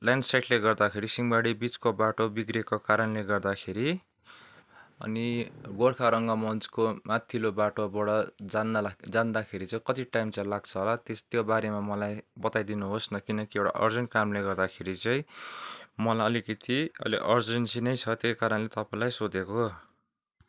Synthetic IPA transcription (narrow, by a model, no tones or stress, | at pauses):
laɳɖsajʈleɡʌrd̪akʰeɾisiŋbaɽibit͡skobaʈobiɡrekokaɾʌnleɡʌrd̪akʰeɾi | ʌ̰niɡoɽkʰaɾʌŋɡʌmʌnt͡skomat̪ʰːilobaʈobʌɽʌd͡zand̪ad͡zand̪akʰeɾit͡sãĩkʌt̪iʈajmt͡saĩlaɡt͡sʰʌɦolat̪est̪jobaɾemamʌlajbʌt̪ajd̪inuɦosnʌkinʌkiewʈa̰ʔʌ̰rd͡zʌnkamleɡʌrd̪akʰeɾit͡sãĩ | mʌlaʌlikʌt̪ʰiʌ̰liʔʌrd͡zʌnsinʌjt͡sʰʌt̪ejkaɾʌnlet̪ʌpaĩlajsod̪eko